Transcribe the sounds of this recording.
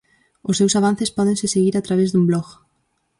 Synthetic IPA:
ʊsewsaβ̞an̟θɪspɔðẽŋsɪseɣiɾat̪ɾaβezðumblɔɣ

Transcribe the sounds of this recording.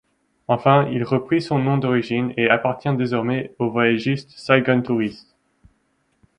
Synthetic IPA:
ɑ̃fɛ̃ilʁəpχisɔ̃nɔ̃d̪ɔʁiʒineapaʁt̪jɛ̃d̪ezɔʁmɛovajɛʒist̪sajɡɔnt̪uʁist̪

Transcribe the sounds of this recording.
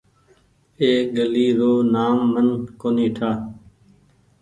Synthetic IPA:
eːɠəliːɾoːnaːmːənkoːniːʈʰaː

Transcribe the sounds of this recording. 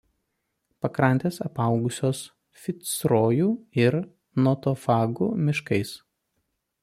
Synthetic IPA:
pɐkɾɐnʲt̪ʲeːsɐpɐˑʊɡʊsʲoːs | fʲɪt̪sɾoːjuːɪɾ | nɔt̪ɔfɑːɡʊmʲɪʃkɐɪs

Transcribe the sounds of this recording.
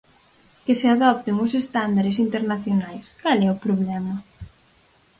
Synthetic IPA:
kɪseaðɔp̚t̪ɪŋʊsest̪and̪aɾes̬int̪eɾnaθjonajskalɛʊpɾoβlɛmɐ

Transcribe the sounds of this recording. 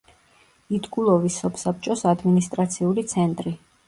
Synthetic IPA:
id̪ɡulˠɔvisɔpʰsap̚t͡ʃʼɔsad̪minist̪ʼɾat̪sʰiulit̪sʰɛnt̪ʼɾi

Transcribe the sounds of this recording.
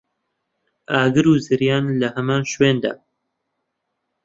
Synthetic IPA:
aːɡɨɾuːzɨɾjaːnlɐhɐmaːnʃweːnd̪a̰ː

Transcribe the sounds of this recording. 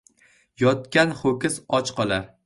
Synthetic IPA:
jɒt̪kʲanχokʲɪsɒt͡ʃqʰɒlˠaɾ

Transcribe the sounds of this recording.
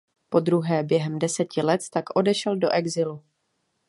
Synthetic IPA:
po̞d̪ɾuɦɛːbjɛɦɛmdɛsɛcɪlɛt̪t̪akʔo̞dɛʃɛldo̞ʔɛɡzɪlu

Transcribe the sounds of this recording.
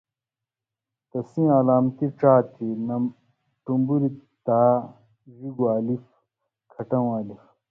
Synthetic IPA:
t̪ɐsĩalaːmt̪iʈ͡ʂaːt̪inɐm | ʈumbuɾit̪aː | ziɡuaːlif | kʰɐʈɐ̃w̃aːlif

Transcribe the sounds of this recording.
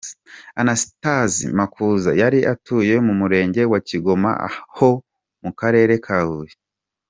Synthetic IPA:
anasi̥tazḭmakuzajaɾiʔatuːje̞mumuɾe̞ːɲɟe̞waciɡo̞ma̰a̰ho | mukaɾe̞ːɾe̞kʰahuje

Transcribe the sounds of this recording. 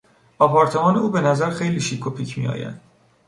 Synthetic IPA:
ɒːpʰɒːɾt̪ʰe̞mɒːne̞uːbe̞næzæɾxe̞jliːʃiːkʰopʰiːcʰmḭjɒ̰ːjæ̰nd̪̥

